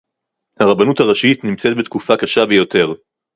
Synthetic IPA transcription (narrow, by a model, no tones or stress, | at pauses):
haʁabanuthaʁaʃitnimt͡set̚bet̪kufakaʃabejo̞te̞ʁ